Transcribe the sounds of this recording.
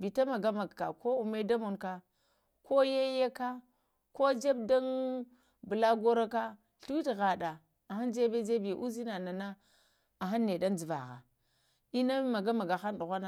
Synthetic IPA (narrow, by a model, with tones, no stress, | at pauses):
bi˨ta˦ma˨ɡa˦ma˨ɡka˨ko˦u˨me˦da˦mo˨nka˦ | ko˦je˦je˦ka˦ | ko˦d͡ʒa˦b̚da˦n | bə˨la˦ɡo˦ɾa˦ka˦ | ɬu˦wi˦tɣa˨ɗa˨ | a˨xa˦nd͡ʒe˦be˦d͡ʒe˦bi˨ʔu˦zi˦na˨na˨na˦ | a˨ɦa˦nːe˨da˦n˦d͡zi˨va̰˨ɣa̰˨ | i˦na˦ma˨ɡa˦ma˨ɡa˨xa˦nɗu˨ɣʷa˦na˦